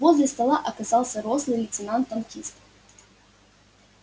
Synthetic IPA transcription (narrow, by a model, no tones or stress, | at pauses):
vɔzʲlʲɛst̪ɐlˠaʔɐkɐzalˠsʲɐɾɔslˠɨlʲɪt̪sʲɨnant̪ːɐmkʲist̪